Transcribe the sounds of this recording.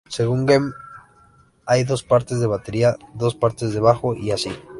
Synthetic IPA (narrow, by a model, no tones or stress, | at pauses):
se̞ɣ̞uŋɡem | ajðo̞spaɾt̪ezðe̞β̞at̪e̞ɾiaðo̞spaɾt̪e̞zðe̞β̞axo̞ʔiasi